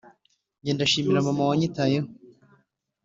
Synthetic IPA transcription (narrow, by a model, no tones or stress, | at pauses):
ɟeːndaʃiːmiɾamamawaɲitaːjeho